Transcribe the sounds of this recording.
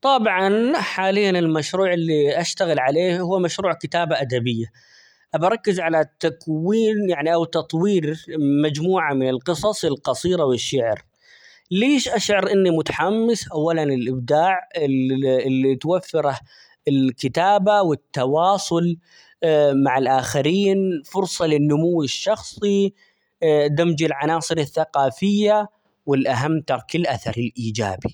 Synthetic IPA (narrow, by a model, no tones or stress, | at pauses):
t̪ˤɑbʕɑnħaːlɪjːanɪlmaʃɾuːʕɪlːiʔaʃt̪aɣɪlʕaleːhuwːmaʃɾuːʕkɪt̪aːbaʔad̪abɪjːa | ʔabɾˤɑkːɪzʕalat̪akwiːnjaʕniʔawt̪ɑt̪ˤwiːɾmad͡ʒmuːʕamɪnɪlqɨsˤɑsˤɪlqɑsˤiːɾawɪʃːɪʕɾ | leːʃʔaʃʕɪɾʔɪnːimʊt̪ḁħamːɪsʔawːalanɪlʔɪbd̪aːʕɪɪlːit̪wafːɪɾa | ɪlkɪt̪aːbawɪt̪ːɑwɑːsˤʊl | maʕalʔaːxɪɾiːnfʊɾsˤɑlɪnːʊmʊwːɪʃːɑxsˤi | d̪amd͡ʒɪlʕanɑːsˤɨɾɪθːaqɑːfɪjːa | wɪlʔaɦamːt̪ɑɾˤkɪlʔaθɑ̰ɾˤɪlʔiːd͡ʒa̰ːbi